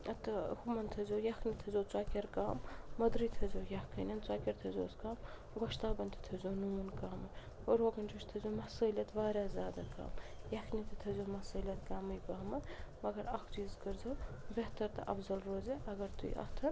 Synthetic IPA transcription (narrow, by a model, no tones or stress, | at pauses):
ɐt̪ɨhumɐnt̪ʰɐzʲoːjɐxnit̪ʰɐzoːt͡sʷaːkʲɐɾkaːmːɐd̪ɾiːt̪ʰɐzoːjɐhkʰənʲɐnt͡swaːkʲɐɾt̪ʰɐzʲo̰ːskaːm | ɡoʃt̪aːbɐnʲt̪ʰɨ̥t̪ʰɐzoːnuːnkaːmɐnʲ | oːɾoːɡɐnd͡ʒoʃt̪ʰɐzʲoːmɐsəːlʲɐt̪ʰʋaːɾʲaːzʲaːd̪aka̰ːmjɐxnit̪ɨt̪ʰɐzʲoːmɐsɨːlʲjɐt̪kaːmɨjbaːmɐnʲmɐɡɐɾɐkʰt͡ʃiːzkəɾzoːbeɦt̪ɐɾt̪ɐ̰ʔɐfzɐlɾoːzeʔɐɡɐɾt̪uḭʔɐ̰xt̪ʰɐɾ